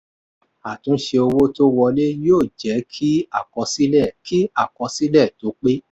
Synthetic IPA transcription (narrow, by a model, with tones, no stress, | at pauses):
a˨tũ˨˦ʃe˧o˧wo˦to˦wɔ˧le˦joː˦˨d͡ʒɛ˨˦kʰi˦a˦˨kɔ˧si˦lɛ˦˨ki˦a˦˨kɔ˨˧si˦lɛ˦˨to˨˦k͡pe˦